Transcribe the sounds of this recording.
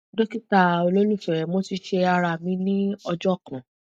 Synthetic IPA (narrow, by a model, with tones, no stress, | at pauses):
do˦ki˦ta˦˨o˧lo˦lũ˦˨fɛ˨mo˨˦ti˧ʃe˧a˧ɾa˧˨mĩ˧˦nĩ˦ɔ˧d͡ʒɔ˦˨kɔ̃˨